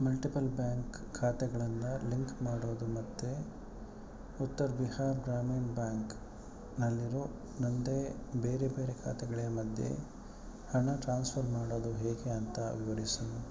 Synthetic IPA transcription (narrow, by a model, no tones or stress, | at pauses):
mɐlʈipɐlbjaːŋkʰːaːt̪ɛɡɐɭɐnːɐliŋkmaːɽoːd̪umɐt̪ːe | ut̪ːɐɾbihaːɾɡɾaːmiːnbjaːŋk | nɐlːiɾo | nɐnd̪ebeːɾe̞be̞ːɾe̞kʰa̰ːt̪ɛɡɐɭijɐmɐd̪ʱjḛ | hɐɳɐʈɾaːnspʰɐɾmaːɽoːd̪uɦeːɡe̞ɐnt̪ɐ̰ʋiʋɐɾisuu